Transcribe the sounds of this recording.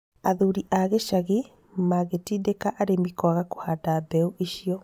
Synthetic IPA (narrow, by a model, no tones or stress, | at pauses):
aðuɾiʔaɣeʃaɣi | maɣetidekaʔaɾemikwaɣako̥hadabɛuʔiʃiɔ